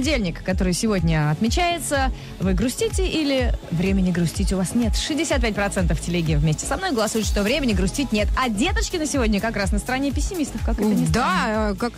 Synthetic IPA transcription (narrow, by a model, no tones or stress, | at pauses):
ɪdʲelʲnʲɪkːɐt̪o̞ɾɨjsʲɪvo̞dʲnʲəɐt̪mʲɪt͡ɕæjɪt̪sə | vɨɡɾʊsʲtʲitʲɪʔilʲɪvɾʲemʲɪnʲɪɡɾʊsʲtʲitʲʊvasnʲe̞t̪ʂɨzʲdʲɪsʲat̪̚pʲætʲpɾɐt̪sɛnt̪əftʲɪlʲeɡʲɪəvmʲesʲtʲɪ̥sɐmno̞jɡəlˠɐsujɪt̪ʂt̪o̞vɾʲemʲɪnʲɪɡɾʊsʲtʲitʲnʲe̞t̪ɐdʲet̪ət͡ʃkʲɪnəsʲɪvo̞dʲnʲəkɐkɾasnəst̪əɾɐnʲepʲɪsʲːɪmʲist̪əfkɐkɛt̪nʲɪd̪akak